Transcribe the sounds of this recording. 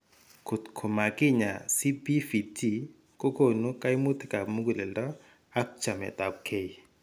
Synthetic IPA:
kʰu˨tkʰo˨ma˨kɪ˦˨ɲa˨si˦pi˦fi˨tʰi˦˨ | ko˦ko˨nu˦ka˦i˦mu˦t̪ʰe̥˦ka˨mu˦ɡu˨lɛ˨ldɔ˦ | a˦kt͡ʃa˨mɛ̰˨t̪a˨p̚kʰe˦i˨

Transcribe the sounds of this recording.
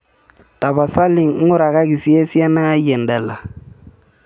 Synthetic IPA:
ta˨ba˨sa˦li˨ŋ˨ŋ̩˦ʊ˦ɾa˨ka˦ki˨si˦e˦si˦a˦na˦jɛ˨ndɛ˨la˨

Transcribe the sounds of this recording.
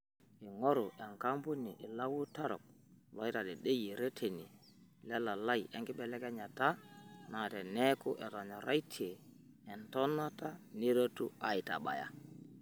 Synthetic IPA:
i˨ŋɔ˦ɾʊ˨ʔɛ˨ŋka˦mbu˦ni˨ʔɪ˨la˦wu˦ta˦ɾɔ̰˨k̚ | lɔ˨˦ɪ˦ta˨dɛ˨ɗe˦ji˨ɾe˦tʰe˨ni˨lɛ˦la˨la˦jʔɛ˦ŋɡɪ˦ɓɛ˦lɛ˦kɛ˦ɲa˨ta˦na˨tɛ˨nɛ˦kʊ˦ʔɛ˨tɔ˨ɲɔ˨ɾʔa˦jtʰi˦eː˨ | ntɔ˦na˦ta˦ne˦ɾo˦tṵ˦a˨i˨ta̰˨ɓa̰˨ja̰˨

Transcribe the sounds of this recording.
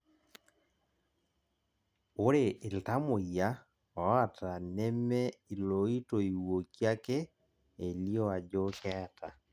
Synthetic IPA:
o˦ɾe˨ɪ˨lta˦mo˨ja˦ | ɔ˨˦a˨tʰa˨nɛ˦mɛ˦i˨lo˨i˦to˨i˨wo˨kja˦ke˦ | e˨ljo˦a˨d͡ʒo˦kɛ˦˨ta˨

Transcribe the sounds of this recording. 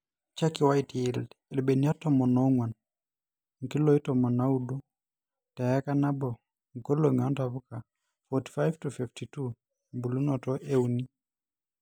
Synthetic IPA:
t͡ʃa˦kiwa˦iti˨ildɛ˨lbe˨ni˦a˦tɔmɔ˨nɔ˦ŋwa˨n | ŋ̩˨ki˦lɔi˦tɔmɔ˨na˦udu˦ | ta˨ja˦kana˦bɔ˨ | ŋko˦loŋa˨ntaβuka˨ | fɔti̥fajvtufiftitu | mbu˨lu˦nɔtɔʔe˦uni˦

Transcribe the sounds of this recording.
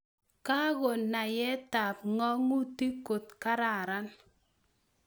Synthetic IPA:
ka˦ɣo˨nːa˨jɛ˦ta˨p̚ŋɔ˦ŋu˦ti˦ko˨tka˦ɾa˨ɾa˦n

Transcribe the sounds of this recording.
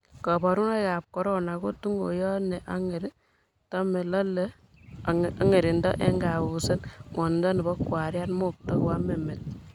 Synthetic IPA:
kɔ˨bɔ˨ɾu˦na˦ka˨p̚kɔ˦ɾɔ˦na˨ko˦tu˦ŋɡo˨jɔ˦nɛ˨ʔa˦ŋe˨ɾi˦ | tɔ˦me˨lɔ˦le˦ | ŋe˨ɾi˨ndɔ̰˦ʔɛ˦ŋɡa˨wu˨se˦nŋɔ˨ndɔ˦ni˨bɔ˦kwa˨ɾja˦nmo˦k̚tɔ˦kwa˦me˨me˨l

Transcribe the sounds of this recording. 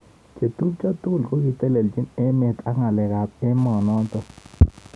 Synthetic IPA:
t͡ʃe˨t̪u˦p̚t͡ʃa˦tʊ˦˨lko˦ki˨te˦le˨ld͡ʒi˦nɛ˦me˨t̪a˦ŋa˨lɛ˨ka˨t̚ɛ˦mɔ˨nɔ˦ntɔ˦˨

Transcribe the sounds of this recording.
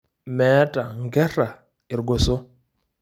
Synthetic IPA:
mɛ˨˦tʼa˨ŋ˨ɡɛ˦ra˨ | i˨ɾɡɔ˨sɔ˦

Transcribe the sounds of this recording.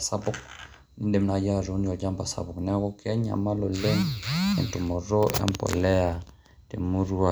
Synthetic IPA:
sa˦bɔ˦k | ni˦nde˨mna˨ja˦˨ɾo˨˦ni˦ɔ˨d͡ʒa˦mba˨sa̰˨bɔ˨knɛ˦a˦ɣɔ˦kɛ˦ɲa̰˨ma˦lo˨lɛ˦ŋɛ̰˨n˨tu˨mɔ˨ɾɔ˦ʔɛ̰˦mpɔ̰˨lɛ˦a˨ | te˨mu˦ɾu˦a˨

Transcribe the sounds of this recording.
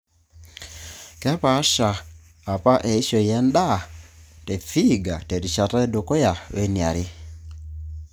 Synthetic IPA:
kɛ˦pa˨˦ʃaː˨ | pa˦ʔɛ˨i˦ʃɔ˨jɛ˦nda˦˨tɛ˨fi˦ɡa˨tɛ˨ɾi˨ʃa˨ta˦ɛ˦do˨kɔ˦ja˨we˦nja̰˨ɾe˦

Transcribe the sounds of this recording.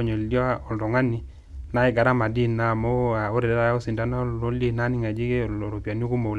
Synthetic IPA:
ɲo˨ldɔ˦ɔ˨lɾɔ˨ŋa˦ni˨ | na˦e˦ɡa˨ɾa˦ma˨di˦na˨mo˦a˨o˦ɾe˨dɛ˦da˨jo˦si˨nda˦n˦o˦li˦na˦ni˦ŋa˨d͡ʒi˦ke˦˨o˨ɾo˨pja˨ni˦o˦ku˦mo˨l

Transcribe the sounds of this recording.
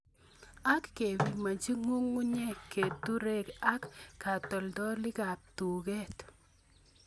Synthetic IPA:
a˦kːe˨bi˨ma˨ɲt͡ʃi˦ŋu˦ŋːu˦ɲɛ˦kːe˨tu˦ɾe˦ka˦kːa˨tɔ˨ldɔ˦lɪ˦ka˨p̚tu˨kɛ˦t

